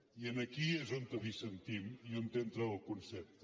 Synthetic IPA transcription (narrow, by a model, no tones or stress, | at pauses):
iənəkiezont̪əβisənt̪imiont̪ent̪ɾəəlˠkunsɛp̚t̪